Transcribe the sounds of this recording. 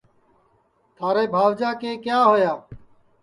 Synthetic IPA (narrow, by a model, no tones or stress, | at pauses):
t̪ʰaːɾeːbʱaːʋd͡ʒaːkeːkjaːɦojaː